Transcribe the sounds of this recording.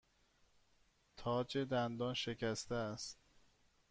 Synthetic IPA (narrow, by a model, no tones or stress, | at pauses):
t̪ʰɒːd͡ʒe̞d̪ænd̪ɒːnʃe̞cʰæst̪eæst̪